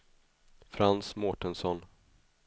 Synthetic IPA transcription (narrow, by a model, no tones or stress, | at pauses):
fɾansmɔʈənsɔn